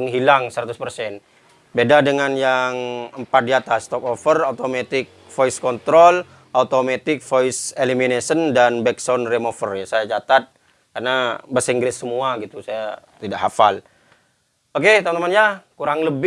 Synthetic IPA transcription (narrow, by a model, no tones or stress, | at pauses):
əŋɦilaŋsəɾat̪uspərsɛn | bedadəŋanjaŋəmpat̪̚diat̪ast̪ɔk̚ofəraut̪omet̪ɪk̚fojiskɔnt̪ɾol | ʔaut̪omet̪ɪk̚foseliminesəndanbɛksɔnremofərjasajat͡ʃat̪at̪̚ | karnabəsiŋɡɾɪsːəmuaɡit̪usajat̪idaʔɦafal | oket̪amant̪amanjakuɾaŋləb